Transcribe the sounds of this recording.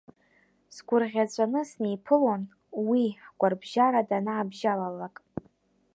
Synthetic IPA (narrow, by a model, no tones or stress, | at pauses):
sɡʷʊrʁʲat͡ɕʷʼanɨsnejpʰɨlon | wiħɡʷʼarbʒaɾadanaːbʒalalakʼ